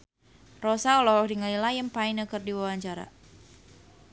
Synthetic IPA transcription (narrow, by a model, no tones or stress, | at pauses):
rɔsaɔlɔɦɔk̚diŋalilajəmpaɪnəkərdiwawaɲt͡ʃaɾa̰